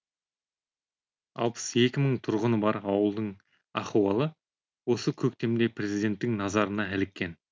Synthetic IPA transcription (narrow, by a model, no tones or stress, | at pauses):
ɑ̰lˠpə̥se̞kʲɪməɴt̪ʰʊɾʁənəbɑɾɑwəlˠd̪əɴ | ɑχuɑlˠə | wo̞səkʲʰɵk̚t̪e̞md̪e̞prʲe̞zid̪e̞nt̪ːɪŋnɑzɑɾənɑælɪkʲːe̞n